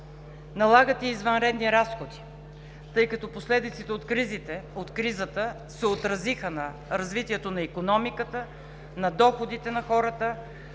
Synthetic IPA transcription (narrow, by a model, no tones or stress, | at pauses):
nɐlˠaɡət̪ɛizvənɾɛd̪niɾasxod̪i̥ | t̪ɤjkɐt̪ɔposlɛd̪it̪sit̪ɛot̪kɾizit̪ɛot̪kɾizət̪ə | sɛot̪ɾɐzixənɐ | ɾɐzvit̪iɛt̪onɐikonɔmikət̪ə | nɐd̪ɔxod̪it̪ɛnɐxɔɾət̪ə